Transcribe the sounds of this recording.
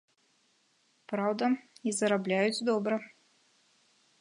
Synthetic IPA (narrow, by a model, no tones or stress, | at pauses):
pɾawd̪ɐizɐɾablʲæjut͡sʲd̪ɔbɾɐ